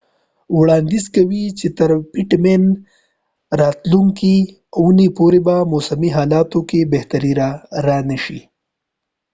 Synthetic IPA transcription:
wɽɑːnd̪izkɐwit͡ʃet̪ɐɾpɪʈmen | ɾɑːt̪luŋki | aunepoɾebamosɐmiɦɑːlɑːt̪okebeht̪aɾiɾaɾanɐʃi

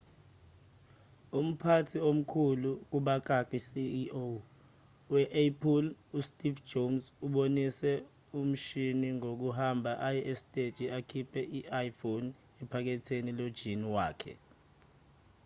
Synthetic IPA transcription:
um̩pʰatʰiom̩kʰuluk̬uɓak̬ʼakisio | wɛʔapʰulustʼiv̥d͡ʒomsuɓonisɛ | um̩ʃiniŋok̬uɦambʱaʔajɛʔesi̥tʼed̥ʒ̥ʱiakʰipʰɛʔiʔajfon | ɛpʰak̬ɛtʰenilod̥ʒ̥ʱiniwaːkʰɛ̰

